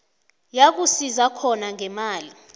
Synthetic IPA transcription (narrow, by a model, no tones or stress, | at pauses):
jak̬usizakʰɔnaŋɛmaːli